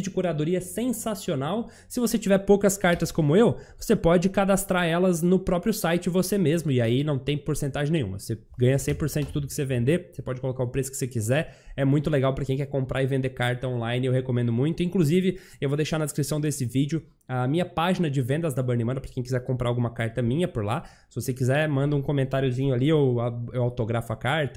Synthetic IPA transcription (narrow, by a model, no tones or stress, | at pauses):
d͡ʒɪkuɾad̪oɾiɐsẽsasionaw | sɪvoset͡ʃivɛɾpowkɐskaɾt̪ɐskõmʊewvosepɔd͡ʒɪkad̪ast̪ɾaɾɛlɐznʊpɾɔpɾjʊsajt͡ʃɪvosemezmʊɪainɐ̃w̃t̪ẽj̃poɾsẽnt̪aʒẽnẽj̃ũmɐ̰vose | ɡɐ̃ɲɐsẽpoɾsẽnʊd͡ʒɪt̪ud̪ʊkɪ̥sevẽnd̪eɾosepɔd͡ʒɪkolokaɾʊpɾesʊ̥kɪ̥sekizɛɾɛmũj̃t̪ʊleɡawpɾɐkẽj̃kɛɾkõmpɾʔaɾɪvẽnd̪ekaɾt̪ɐõlaj̃nɪewɦekomẽnd̪ʊmũj̃t̪ʊĩŋkluzivɪ | ewvod̪ejʃaɾnɐd̪eskɾisɐ̃w̃d̪esɪvid͡ʒʊ | ɐːmĩɲɐpaʒinɐd͡ʒɪvẽnd̪ɐzd̪ɐbɐɾnɪmɐ̃nɐpɾɐkẽj̃kizɛɾkõmpɾaɾawɡũmɐkaɾt̪ɐmĩɲɐpoɾla | sɪvosekizɛmɐ̃nd̪ɐũkõmẽnt̪aɾjʊzĩɲʊaliowaewawt̪oɡɾafʊɐkaɾt̪ɐ